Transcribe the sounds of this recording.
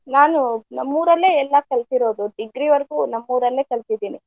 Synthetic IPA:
naːnunɐmːuːɾɐlːeːɛlːɐkɐɭt̪iɾo̞ːd̪uɖiɡɾiʋɐɾɐɡuːnɐmːuːɾɐlːe̞ːkɐɭsid̪iːni

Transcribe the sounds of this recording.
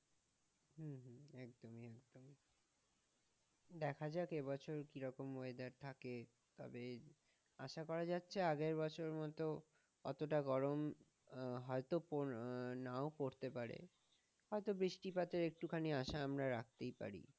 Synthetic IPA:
ɦuɦɛk̚d̪omiɛk̚d̪omi | d̪ɛkʰad͡ʑaekebɔt͡ɕʰoɾkiɾɔkomːoed̪aɾt̪ʰake | t̪ɔ̰be | aʃakɔɾad͡ʑatːɕʰeaɡeɾbɔt͡ɕʰoɾmɔt̪o | kɔt̪oʈaɡɔɾom | ɦɔet̪oponaokoɾt̪epaɾḛ | hɔet̪obɾiʃʈipat̪eɾek̚ʈukʰaniaʃaamɾaɾak̚t̪ejpa̰ɾḭ

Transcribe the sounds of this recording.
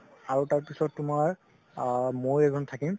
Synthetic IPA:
aɹutaɹpisɔtːʊmaɹ | mojɛɡɔntʰakim

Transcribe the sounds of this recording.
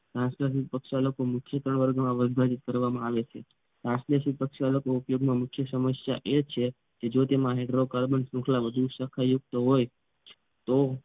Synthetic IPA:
sɾãskas̬it̪̚pəkʃaləkomukʰjət̪ɾəɳʋəɾɡmãʋəbʱad͡ʒit̪̚kəɾʋamãaʋet͡ʃʰḛ | ãslesit̪̚pəkʃaləkoupjoɡmãmʊkʰjəsəməsja̰ʔet͡ʃʰe | ked͡ʒot̪emãɦeɖɾokalbəɳsũkʰlaʋəd̪ʱusəkʰajuk̚t̪oɦoj | t̪o

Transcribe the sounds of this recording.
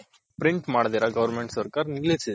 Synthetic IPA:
pɾiɳʈmaːɽd̪iːɾaɡɐʋɐɾmeɳʈsɐɾkaːɾniɡlesi

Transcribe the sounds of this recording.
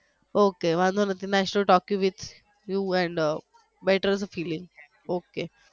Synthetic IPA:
okeʋãnd̪onat̪inasʈoʈɔkjuʋit̪ʰ | juɛ̃ɳɖ | beʈəɾzfiːlĩŋ | oke

